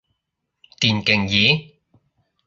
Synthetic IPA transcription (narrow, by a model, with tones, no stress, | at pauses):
t̪iː˨˩nkɪ˨ŋjiː˨˦